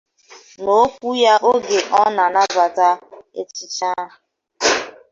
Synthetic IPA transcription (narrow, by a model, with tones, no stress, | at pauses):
no˦kʷu˦ja˦ʔo˦ɡe˨ʔɔ˦na˨na˦ba˨ta˦ḛ˦t͡ʃi˦t͡ʃa˦ɦ